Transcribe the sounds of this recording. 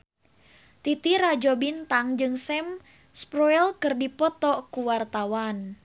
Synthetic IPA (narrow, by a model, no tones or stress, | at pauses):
t̪it̪iɾad͡ʒɔbint̪aŋd͡ʒɨŋsɛm | spɾɔɛlkɨrdipɔt̪ɔkuwart̪awan